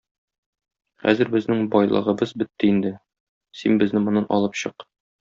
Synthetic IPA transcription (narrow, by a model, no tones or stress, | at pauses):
χæ̰zɘɾbɘ̆znɘŋbɒjlˠɤ̰ʁɤ̆bɤzbɘ̆t̪ːɘind̪ɘ | sinbɘ̆znɘmŏnːɑnʔɒ̰lˠɤpɕɤq